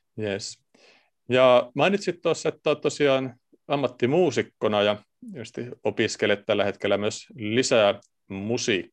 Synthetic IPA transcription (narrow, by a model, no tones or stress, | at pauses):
jes | jɑmɑinit̪sit̪t̪oɑsːɑet̪ːot̪t̪osiɑːn | ɑmːɑt̪ːimuːsikːonɑjɑ | just̪iopiskelet̪t̪ælːæhet̪kelːæmyøslisæ | musikː